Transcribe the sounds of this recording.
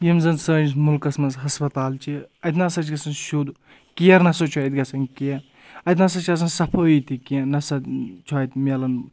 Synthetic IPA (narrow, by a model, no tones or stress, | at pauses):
jemzɐnsɐːnsmulkɐsmɐzɦɐspɐt̪aːlt͡ʃʰiɐt̪nɐsɐt͡ʃʰɡɐsɐnʃud̪u | kijɐɾnɐsot͡ʃʰuːjt̪ɡɐsɐnkiɐ | ɐjt̪nɐsɐt͡ʃʰɐs̬ɐnsɐpʰɐːit̪ikiẽnɐsɐt͡ʃʰuɐːjt̪mʲelɐn